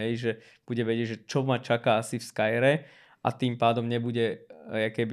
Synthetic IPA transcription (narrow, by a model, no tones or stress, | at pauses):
ɛjʒɛ | b̥uɟɛʋɛɟɪɛɟʒɛt͡ʃɔmat͡ʃakaːasifskajɾɛ | ʔa̰t̪iːmpaːd̪ɔmɲɛbuɟɛakɛbi